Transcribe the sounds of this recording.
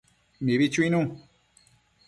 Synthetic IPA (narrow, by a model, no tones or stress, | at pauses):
mĩβit͡ʃwĩnũ